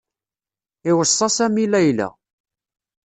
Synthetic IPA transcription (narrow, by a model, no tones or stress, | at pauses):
ɪwəsˤːɑsæmilæjlæ̰